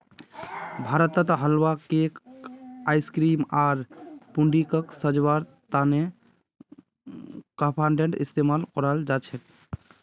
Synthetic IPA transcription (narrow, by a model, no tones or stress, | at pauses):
bʱaɾət̪ːət̪ɦəlwakekajskɾimaɾpuɳɖikəksəd͡ʒwaɾ | t̪ane | kəpʰãɳɖeɳʈḭst̪emalkɔɾəld͡ʒat͡ʃʰɛt̪